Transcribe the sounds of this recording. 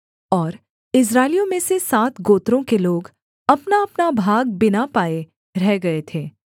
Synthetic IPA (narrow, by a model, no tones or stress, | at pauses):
ɔːɾ | ɪs̬ɾaːɪlijõmẽsesaːt̪ʰɡoːt̪ɾõkeloːɡ | ɐpnaɐpnabʱaːɡ̚bɪnapaːe | ɾɛɦɡɐet̪ʰeː